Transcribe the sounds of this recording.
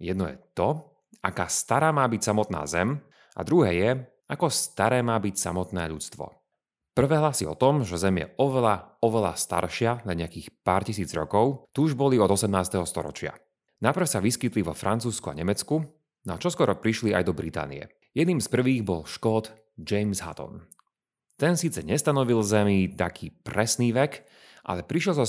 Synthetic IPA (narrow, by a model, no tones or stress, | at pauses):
jɛd̪nɔjɛ̰t̪ɔ | ʔakaːst̪aɾaːmaːbicsamɔt̪na̰ːzɛm | ʔa̰d̪ɾuɦɛːjɛ | akɔst̪aɾɛːmaːbicsamɔt̪nɛ̰ːʎut͡st̪ʋɔ̰ | pr̩ʋɛːɦlasiɔ̰t̪ɔmʒɛzɛmjɛ̰ɔʋɛlaɔʋɛla̰st̪a̰ɾʃɪalaɲɛakiːxpaːɾcisiːd͡zɾɔkɔʊt̪uuʒbɔliɔd̪ɔsɛmnaːst̪ɛɦɔst̪ɔɾɔ̰t͡ʃɪa̰ | napr̩fsaʋiskit̪liʋɔfɾant͡suːskua̰ɲɛmɛt͡sku | nɔat͡ʃɔskwɔɾɔpɾiʃlia̰jd̪ɔbɾit̪a̰ːnḭɛ̰ | jɛd̪niːmspr̩ʋiːɣbɔlʃkɔt̪ | d͡ʒɛjmzɦa̰t̪ɔ̰n | t̪ɛnsiːt͡sɛɲɛst̪anɔʋilzɛmit̪akʰiːpɾɛsniːʋɛk | ʔa̰lɛpɾiʃjɛlzɔ